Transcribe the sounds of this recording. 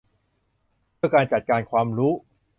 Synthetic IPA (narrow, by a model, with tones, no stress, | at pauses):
pʰɯ˥˩ɐkaː˧nt͡ɕa˨˩t̪̚kaː˧nkʰwaː˧mɾuː˦˥